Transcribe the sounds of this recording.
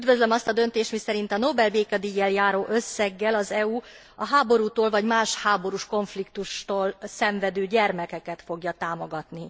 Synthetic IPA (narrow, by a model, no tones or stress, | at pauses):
yd̪vø̞zlø̞mɒst̪ɒd̪ø̞nt̪eːʃt̪misɛɾint̪ɒnobɛlbeːkɛd̪iːjɛljaːɾoːʔø̞sːɛɡːɛlɒzɛuː | ɒɦaːbo̞ɾuːt̪oːlvɒɟmaːʃhaːbo̞ɾuʃko̞ɱflikt̪uʃt̪oːlsɛɱvɛd̪øːɟɛrmɛkɛkɛt̪fo̞ɡjɒt̪aːmo̞ɡɒt̪ni